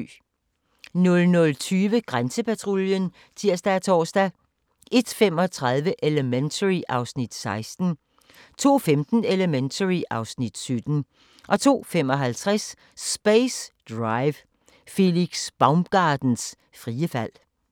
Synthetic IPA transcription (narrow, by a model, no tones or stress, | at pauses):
nɔ̽lnɔ̽lt͡sʰyːʋəɡ̥ʁansəpʰæt͡sʰʁoljən | t͡sʰiɐ̰sd̥ææt͡sʰɒ̰ːsd̥æ | ʔe̝d̥femɒ̽t͡sʰʁɑð̞ˠʋəʔe̝ləment͡sʰəʁiʔɑ̈ʊsnid̥sɑ̈ɪsd̥n̩ | t͡sʰo̝̰ːfemd̥n̩eləment͡sʰəʁiʔɑ̈ʊsnid̥sød̥n̩ | ʔɒ̽t͡sʰo̝̰ːfemɒ̽ɦælt͡sʰʁaɛs | sb̥esd̥ʁɑɪʋ | fe̝liɡ̥sb̥ɑ̈ʊmɡ̥ɑ̈ːd̥n̩s | fʁiːəfæl̰